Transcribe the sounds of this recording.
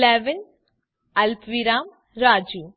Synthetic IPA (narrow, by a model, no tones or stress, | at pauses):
lɛːʋɪn | ɐlpʋiːɾaːm | ɾaːd͡ʒuː